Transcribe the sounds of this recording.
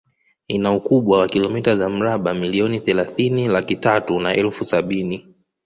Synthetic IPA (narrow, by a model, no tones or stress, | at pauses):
inaukuɓwawakilɔmitazam̩ɾaɓamiliɔniθɛlaθinilakitatunaɛlfusaɓini